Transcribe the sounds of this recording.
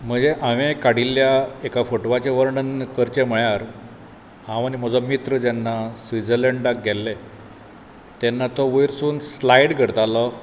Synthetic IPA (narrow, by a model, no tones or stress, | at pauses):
m̤əd͡zeʔaʋekaɽilːjaekafoʈʋat͡ɕeʋəɾɳənkəɾt͡ɕem̤əɭjaɾ | ɦãʋaniməd͡zɔmit̪ɾəd͡ʑɛnːasʋid͡zələɳɖak̚ɡʱɛlːe | t̪ɛnːat̪ɔʋəjɾsuːnslajɽɡʱəɾt̪alɔ